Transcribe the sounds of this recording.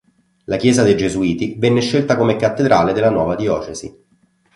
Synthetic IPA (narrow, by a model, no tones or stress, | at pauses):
lakjɛːzad̪ed͡ʒezuiːt̪ivɛnːeʃːelt̪akomekat̪ːed̪ɾʔaːled̪elːanwɔːvad̪iɔːt͡ʃezḭ